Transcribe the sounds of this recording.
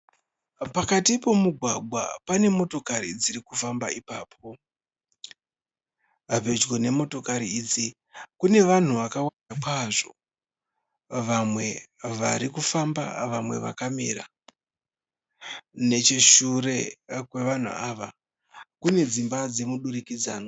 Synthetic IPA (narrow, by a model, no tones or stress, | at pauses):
pakatipo̞muɡʱwaɡʱwa̰pane̞mo̞to̞kaɾḭd͡ziɾikufamba̰ipaːp̚ʰo̞ | ape̞d͡ʒɡone̞mo̞to̞kaɾiid͡zi | kune̞ʋan̤uʋakawanakwaʐo̞ | ʋamwe̞ʋaɾikufamba̰ʋamwe̞̰ʋa̰kamiɾa | ne̞t͡ʃeʃuɾe̞kwe̞ʋan̤ṵʔaʋa | kune̞d͡zimbad͡ze̞muɗuɾikid͡za̰ːno